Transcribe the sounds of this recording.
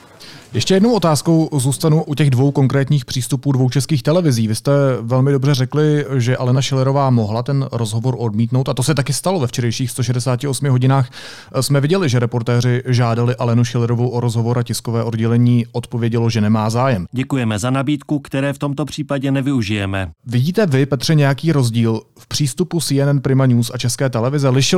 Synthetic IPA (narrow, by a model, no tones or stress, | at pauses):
jɛʃcɛjɛdno̞wʔo̞t̪aːsko̞wzuːst̪anuʔucɛɣdvo̞wko̞ŋkɾɛːt̪ɲiːxpr̥iːst̪upuːdvo̞wt͡ʃɛskiːxt̪ɛlɛvɪziːvɪst̪ɛvɛlmɪdo̞brɛrɛklɪʒɛʔalɛnaʃɛlɛɾo̞vaːmo̞ɦlat̪ɛnɾozɦo̞vo̞ɾʔo̞dmiːt̪no̞wt̪at̪o̞sɛt̪akɪst̪alo̞vɛft͡ʃɛɾɛjʃiːxst̪o̞ʃɛdɛsaːcɪosmɪɦo̞ɟɪnaːx | smɛvɪɟɛlɪʒɛɾɛpo̞ɾt̪ɛːr̝ɪʒaːdalɪʔalɛnuʃɪlɛɾovo̞wʔo̞ɾo̞zɦo̞vo̞ɾacɪskovɛːʔo̞dɟɛlɛɲiːʔo̞t̪po̞vjɛɟɛlo̞ʒɛnɛmaːzaːjɛmɟɛkujɛmɛzanabiːt̪kukt̪ɛɾɛːft̪o̞mt̪o̞pr̥iːpaɟɛnɛvɪuʒɪjɛmɛvɪɟiːt̪ɛvɪpɛt̪r̝̥ɛɲɛjakiːɾo̞zɟiːlfpr̝̥iːst̪upusiːɛnɛnpɾɪmaɲuːsat͡ʃɛskɛːt̪ɛlɛvɪzɛlɪʃɪ